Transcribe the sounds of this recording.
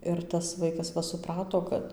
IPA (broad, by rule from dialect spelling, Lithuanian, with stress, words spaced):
ˈɪr tɐs ˈʋɐɪkɐs ˈʋɐ sʊˈprɑːtoː ˈkɐt